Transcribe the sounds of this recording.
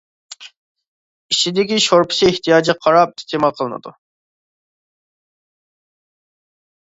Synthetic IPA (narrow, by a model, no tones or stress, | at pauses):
it͡ʃʰid̪ɪkʲiʃoɾpʰɪ̥sieht̪ʰijɑːd͡ʒiqʰɑɾɑp̚ist̪ʰemɑlˠqʰəlˠɨnɨ̰d̪ṵ